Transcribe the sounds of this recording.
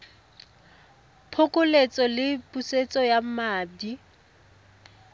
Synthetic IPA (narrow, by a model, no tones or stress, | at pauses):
pʰʊkʼʊlet͡sʼɔlɪpʼuset͡sʼɔjamaːdi